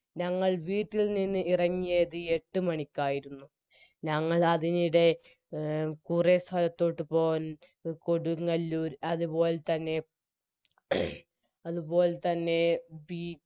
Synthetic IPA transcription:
ɲɐŋːɐɭʋiːʈːilnːinːɨʔirɐŋːijɐðɨe̞ʈːɨmɐɳikʲːaːjiɾunːu | ɲɐŋːɐɭɐðiniɽe̞ | kurest̪ʰɐlɐt̪ːo̞ːʈːɨpoːn | koɽuŋɐlːuːɾɐðubo̞ːlet̪ɐnːe̞ | ɐðubo̞ːlet̪ɐnːe̞biː

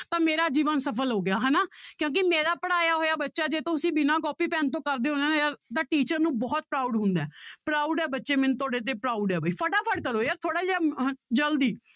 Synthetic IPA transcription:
t̪ãːmeːɾaːd͡ʒiːʋənsəpʰəlɦoːɡɪaːɦɛːnaːkjõːk̬ɪmeːɾaːpəɽaːjaːɦoːjaːbətːʃaːd͡ʒeːt̪õːʊsĩːbɪnãːkɔːpiːpɛːnt̪õːkəɾd̪eːɦõnd̪eːnejaɾd̪aːʈiːt͡ʃəɾnũːbɔːt̪̚pɾaːʊɖɦʊ̃nd̪aːpɾaːʊɖɛːbətːʃeːmɛnũːt̪oːɽeːt̪̬eːpɾaːuɖɛːbaːiːpʰəʈaːpʰəɽkəɾoːjəːɾt̪ʰoːɽaːd͡ʒːd͡ʒəld̪iː

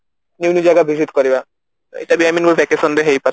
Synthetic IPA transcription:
nunid͡ʑajɡabʱiʃit̪koɾiba | ḛt̪abiaminobɛkesɔnd̪eɦejpaɾ

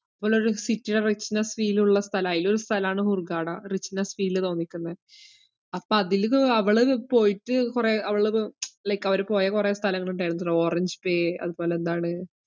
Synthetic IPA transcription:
ɐpːoːɭo̞ɾusitːiɽerit͡ɕːinɐsʋiːluɭːɐst̪ʰɐlaːjilo̞ɾust̪ʰɐlɐaːɳɨhurɡaːɽɐrit͡ɕːinɐsfiːlt̪o̞ːnːikʲːunːɐð | ɐpːoɐðilɐʋɐɭɨpo̞ːjiʈːɨkureːɐʋɐɭɨlekːɐʋɐɾupo̞ːjɐkure̞ːst̪ʰɐlɐŋːɐɭuɳɖajɽunːɭoːrɐɲd͡ʑɨpeːɐ̰ðubo̞ːle̞end̪aːɳɨ

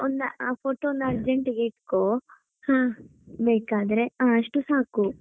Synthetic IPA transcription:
ond̪ɐaːpʰoːʈoːnd̪ɐːɾd͡ʒeɳʈɡeiʈkoː | hãːbeːkaːd̪ɐɾe̞aːɐʂʈusaːku

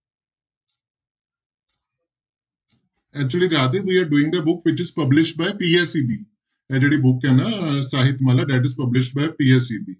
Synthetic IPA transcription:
ɛk̚t͡ʃuəliɾaːt̪iʋiaɾɖuːɪ̃ŋd̪əbʊkʋɪt͡ʃɪzpəblɪʃʈ̚bajpiesibiː | ɛd͡ʑeɽibukːjãnasaɦit̪ːməlaɖ̪ɛʈ̬ɪzpəblɪʃʈ̚bajpiesibi

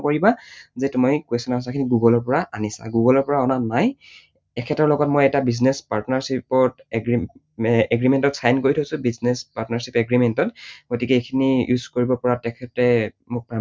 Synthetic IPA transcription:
koɹibazɛtumɔjkwesɔnɔsakʰiniɡuɡɔlɔɹpɔɹaanisa̰ɡuɡɔlɔɹpɔɹaɔnanaj | ɛkʰɛtɔɹlɔɡɔtmojɛtabiznespaɹtnaɹsipɔɹtɛɡi | ɛɡɹimɛntɔtsajnkoɹitʰosʊ̃biznespaɹtnaɹsipɛɡɹimɛntɔtɡ̥otikɛekʰinijuzkoɹibɔpɔɹatɛkʰɛtɹɛ | mʊk̚pɹa

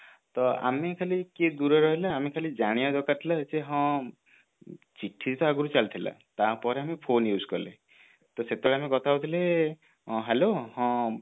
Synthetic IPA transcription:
t̪ɔa̰mekʰaliked̪uɾɔɾɔɦilaːmekʰalid͡ʒaɽ̃iɔdɔkat̪ʰilaseɦɔ̃ | t͡ʃiʈʰːid̪it̪ɔaɡuɾut͡ʃalt̪ʰila̰t̪apɔɾeamipʰonjuskɔlḛ | t̪ɔset̪ɔɭeamekɔt̪ʰaut̪ʰile | ɔ̃ɦelohɔ̃

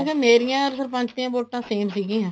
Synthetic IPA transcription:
kemeːɾijãːɾsəɾpə̃ɲt͡ʃt̪ĩãːboːʈːãːseːmsiːɡĩːɦɛ̃ː

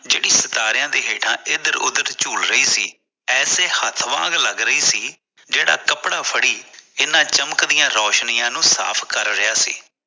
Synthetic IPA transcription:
d͡ʒeːɽiːsət̪aːɾɪjãːd̪eːɦeːʈʰã̰ːʔɪd̪əɾʊ̰d̪əɾt͡ʃuːlɾəiːsiː | ɛːseːhət̪ʰʋã̰ːɡləɡɾəiːsiː | d͡ʒeːɽa̰ːkəpɽaːpʰəɽiːɪnãːt͡ʃəməkd̪ɪjãːɾɔːʃniːãːnũːsa̰ːpʰkəɾːɪjaːsḭː

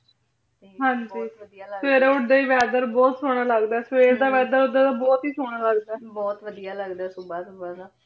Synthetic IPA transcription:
ɦãnd͡ʒiːsʋeːɾeːʊʈd̪eːiːʋɛːd̪əɾbɔːt̪soːɽ̃aːləɡd̪aɛsʋeːɾd̪aːʋɛːd̪əɾʊd̪aːd̪aːbɔːt̪ɦiːsoːɽ̃aːləɡd̪aɛːbɔːt̪ʋəd̪ijaːləɡd̪aːsubaːsubaːd̪aː

